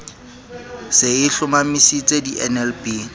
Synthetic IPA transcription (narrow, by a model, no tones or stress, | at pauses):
sɪɪɬʊmamisit͡sʼediʔɛ̰nɛlpiː